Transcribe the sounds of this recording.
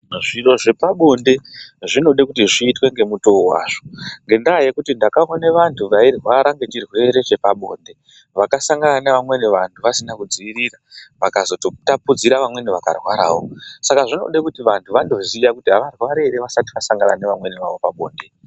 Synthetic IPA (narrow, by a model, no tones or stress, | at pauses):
ʐiro̞ʐe̞paɓo̞nde̞ʐino̞ɗekutiʐiːtwe̞ŋɡe̞muto̞wa̰ːʐo̞ŋɡe̞ndaaje̞kutindakaoneʋantʰuʋairwaɾaŋɡe̞t͡ʃirwe̞ɾe̞t͡ʃe̞paɓo̞̰ːnde̞ | ʋakasaŋɡananeʋamwe̞neʋantʰuʋasinakud͡ziiɾiraʋakazo̞totapud͡ziɾaʋamwe̞niʋaka̰rwaɾa̰ːwo̞sakaʐino̞̰ɗekutiʋantʰuʋando̞zijakutiɦaʋarwaɾeɾeʋasati̥ʋasaŋɡana̰neʋamwe̞niʋa̰ʋo̞paɓoːnde̞